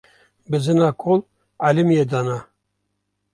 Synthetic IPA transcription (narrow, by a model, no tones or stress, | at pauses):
bɨzɨnɑkʰol | alimjed̪ɑna